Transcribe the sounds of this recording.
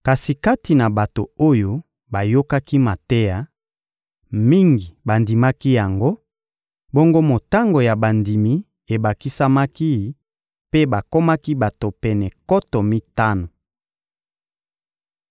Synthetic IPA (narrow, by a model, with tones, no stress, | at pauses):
ka˨si˨ka˦ti˨na˨ba˨to˨o˦jo˦ | ba˨jo˦ka˦ki˦ma˨tɛ˦ja˦ | mi˦ŋɡi˨ba˨ndi˨ma˦ki˦ja˨ŋɡo˦ | bo˦ŋɡo˦mo˨ta˦ŋɡo˨ja˨ba˨ndi˨mi˨˦ | e˨ba˨ki˦sa˦ma˦ki˦˨ | pe˦ba˨ko˦ma˦ki˦ba˨to˨pɛ˨nɛ˨kɔ˦tɔ˨mi˦ta˦no˨